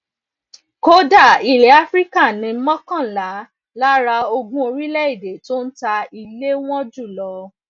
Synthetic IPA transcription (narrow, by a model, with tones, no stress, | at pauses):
ko˦da˦˨i˨le˨˦a˦fɾi˦ka˦˨nĩ˨˧˦mɔ̃˦kã˦˨la˨˦ | la˦ɾa˧o˧ɡũ˦o˧ɾi˦lɛ˦i˦˨de˨˦to˦n̩˦ta˧i˧le˦w̃ɔ̃˦d͡ʒu˦˨lɔ˧˦